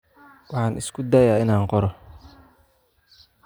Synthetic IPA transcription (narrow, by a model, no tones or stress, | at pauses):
wɑħɑːnɪskʰʊd̪aːjaːɪnaːŋqɔɾɔ